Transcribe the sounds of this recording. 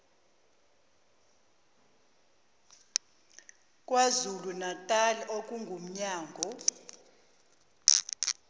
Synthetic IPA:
kʼwazulunatʼaliʔokʼuŋɡʱum̩ɲaːŋɡʱɔ

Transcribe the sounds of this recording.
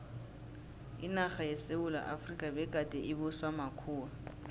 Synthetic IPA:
ɪnaχajɛseʊla̰ʔafrikʼabɛkʼatʼɛʔɪbʊswamakʰuːa

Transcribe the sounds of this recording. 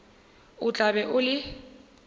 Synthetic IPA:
ʊt͡ɬʼabɛʔʊlɪ

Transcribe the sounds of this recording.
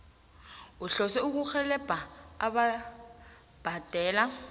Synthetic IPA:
uɬɔsɛuk̬uxɛlɛb̥ʱaaɓa | b̥ʱad̥ʱɛːla

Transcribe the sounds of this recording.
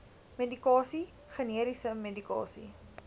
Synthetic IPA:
medikɑːsi | χəniəɾisəmedikɑ̰ːsḭ

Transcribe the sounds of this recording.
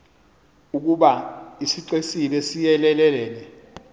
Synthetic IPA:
uk̬uɓaisiǀesilɛsijɛlɛlɛlɛːlɛ

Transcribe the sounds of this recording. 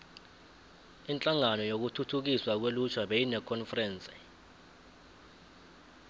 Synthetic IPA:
int͡ɬʼaŋanɔjok̬utʰutʰuk̬iswak̬welut͡ʃʰwaɓejinɛkʰɔnfrɛːnt͡sʼɛ̥

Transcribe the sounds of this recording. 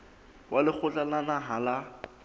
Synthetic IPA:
wʔalɪk͡xʰʊt͡ɬalanaɦala

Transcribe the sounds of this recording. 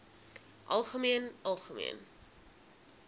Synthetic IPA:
ʔɐ̰lˠχəmiənʔɐlˠχəmḭən

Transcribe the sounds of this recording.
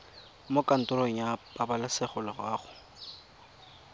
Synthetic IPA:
mokan̩tʼʊɾoŋ̩japabalɪsɪχʊlɪɣaːχʊ

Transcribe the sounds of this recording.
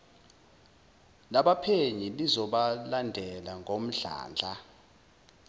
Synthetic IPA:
laɓapʰeɲilizɔɓalandʱɛlaŋɡʱom̩ɮa̰ːnd͡ɮʱa

